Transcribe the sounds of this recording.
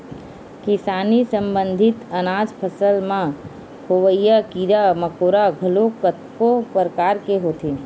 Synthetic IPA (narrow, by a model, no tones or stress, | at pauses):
kɪsaːnisə̃mbə̃nd̪ʱɪt̪ənaːd͡ʒpʰəsəlmã | hoʋəijakiɾaməkoːɾaɡʱəlokət̪kopəɾkaːɾkeɦoːt̪ʰi